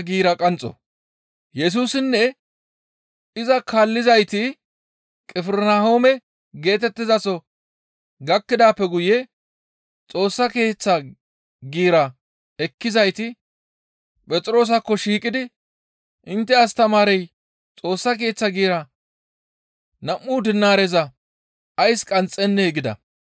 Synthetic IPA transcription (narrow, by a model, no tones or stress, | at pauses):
ɡiːɾɐkʼɐnt͡sʼɔ̰ | jɛs̬uːsɪnːɛ | ɪzɐkʰaːlːɪzɐjt̪ɪ | kʼɪfɪɾnahoːmɛ | ɡe̞ːt̪ɛt̪ːɪzɐsɔ | ɡɐkːɪd̪aːpːɛɡʊjɛ | t͡sʼo̞ːsːɐke̞ːt͡sːɐ | ɡiːɾɐ | ɛkːɪzɐjt̪ɪ | pʼɛt͡sʼɾo̞ːs̬ɐkːɔʃiːkʼɪd̪ɪ | ʔɪnt̪ːɛɐst̪ɐmaːɾɛj | t͡sʼo̞ːsːɐk̬e̞ːt͡sːɐɡiːɾɐ | nɐmːuːd̪ɪnːaːɾɛzɐ | ɐjskʼɐnt͡sʼːɛnːɛɛɡɪd̪ɐ̰